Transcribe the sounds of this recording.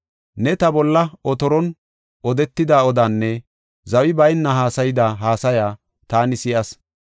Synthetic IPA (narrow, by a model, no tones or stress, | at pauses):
nɛt̪ɐbɔlːɐɔt̪ɔɾɔn | ʔɔd̪ɛt̪ːɪd̪aːɔd̪aːnːɛ | zɐwɪbɐjnːɐɦaːsɐjɪd̪aɦaːsɐjaː | t̪aːnɪsɪʔɐs